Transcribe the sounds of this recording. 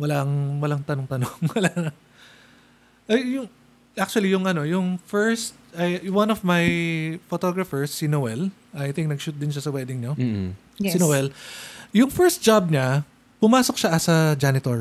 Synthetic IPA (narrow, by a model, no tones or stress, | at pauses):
wɐlaʔɐŋwɐlaŋt̪ɐnoŋt̪ɐnoŋwɐlanɐ | ʔɐjjʊŋ | ʔak̚t͡ʃʊɐlijʊŋʔɐno̞jʊŋfɛɹst̪̚ʔɐjwɐnɔvmɐjfot̪oɡɹɐfɛɹsːinowɛl | ʔɐjt̪ɪ̃ŋk̚nɐɡ̚ʃuːt̪̚d̪ɪnʃasɐwɛd̪ɪŋɲo | sinowɛljʊŋfɛɹst̪̚d͡ʒab̚ɲɐ | pʊmaːsok̚ʃaʔɐsɐd͡ʒanɪt̪oɹ